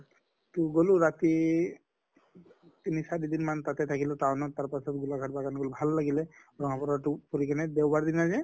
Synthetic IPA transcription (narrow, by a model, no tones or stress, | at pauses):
ʈuɡoluɾat̪i | t̪inisadid̪inmant̪at̪ɛt̪ʰakilɔt̪aɔnɔt̪aɾpasɔt̪ɡulaɡʱaʈbaɡanɡolubʱalːaɡilɛɾɔŋapɔɾaʈupɔɾikanɛd̪ewbaɾd̪inad͡ʒɛ